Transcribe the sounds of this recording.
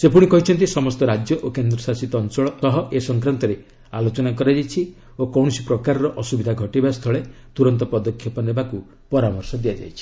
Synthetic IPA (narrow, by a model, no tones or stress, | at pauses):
sepuɽ̃ikɔɦit͡ʃʰɔnt̪̬isɔmɔst̪ɔɾad͡ʒjɔʔokend̪ɾɔsasit̪ɔnsɔɭɔɔɦɔʔesɔŋkɾant̪ɔɾe | alot͡ʃɔnak̬ɔɾad͡ʒajt͡ʃʰi | okɔw̃ɔsipɾɔkaɾɔɾɔʔɔsubid̪ʱaɡʱɔʈibast̪ʰɔɭet̪uɾɔnt̪ɔpɔd̪ɔkʰːjɔpɔnebaku | pɔɾamɔɾsɔd̪iad͡ʒa̰jt͡ʃʰi̥